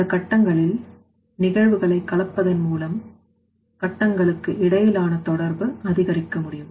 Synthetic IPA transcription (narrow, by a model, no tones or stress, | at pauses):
ɐkːɐʈːɐŋɡɐɭɪl | nɪɣɐɻʋɯɣɐɭɐɪkːɐɭɐpːɐðɐnmuːlɐm | kɐʈːɐŋɡɐɭɯkːɯʔɪɽɐjɪlaːnɐt̪ɔɽɐɾbɯɐðɪɣɐɾɪkːɐmʊɽɪjɯm